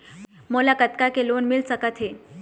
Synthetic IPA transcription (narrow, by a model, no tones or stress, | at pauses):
molakət̪kakelonmilsəkət̪ʰɦe